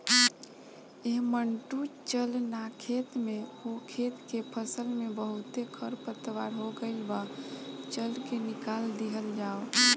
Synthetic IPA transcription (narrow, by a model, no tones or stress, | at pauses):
eɦməɳʈut͡ʃəlnakʰet̪mẽhokʰet̪kepʰəsəlmebəɦut̪ekʰəɾpət̪ʋaɾɦoɡəɪlbat͡ʃəlkenɪkald̪iɦəld͡ʒaːo